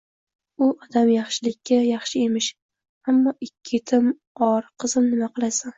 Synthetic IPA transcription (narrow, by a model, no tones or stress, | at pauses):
ʊɒd̪amjɑχʃɪlɪkʲʰːajɑχʃɪemɪʃ | amːɒʔɪkʲʰːɪt̪ʰɪm | ɒɾqʰɨzɪmnɪmaqɨlˠasan